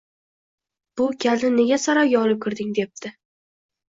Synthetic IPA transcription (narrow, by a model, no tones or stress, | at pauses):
b̥ʊkʲʰalnɪne̞ɡʲasaɾɒɡʲaɒlˠɪp̚kʰʲɪɾd̪ɪŋd̪e̞p̚t̪ʰɪ